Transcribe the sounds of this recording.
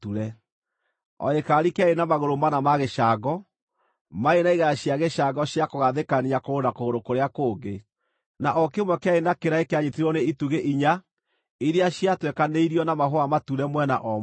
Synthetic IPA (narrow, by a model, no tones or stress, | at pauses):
tuɾɛ | ɔ̰ekaɾikɛenamaɣoɾomanamaɣeʃaɡɔ | maenaiɣaɕiaɣeʃaɡɔɕjakoɣaðekaniakoonakoɣoɾokoɾeakoːɡe | naʔɔkeomwɛkeaenakeɾaekeaɲetiɾɔneituɣeʔiɲa | iɾeaɕiatwɛkaneiɾiɔnamaɦoamatuɾɛmwɛna̰ʔɔ